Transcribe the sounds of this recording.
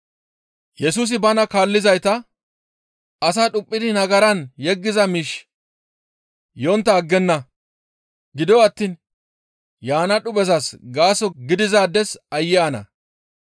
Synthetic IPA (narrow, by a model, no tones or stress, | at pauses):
jɛsuːs̬ɪbɐnɐkaːlːɪzɐjt̪ɐ | ɐs̬aːɗʊpʼːɪd̪ɪnɐɡɐɾɐnjɛɡːɪzɐmiːʃ | jɔnt̪ːɐːɡːɛnːɐ | ɡɪd̪ɔɐt̪ːiːn | jaːnɐᶑʊbɛzɐsɡaːsɔɡɪd̪ɪzaːd̪ɛsɐjːɛɐnɐ̰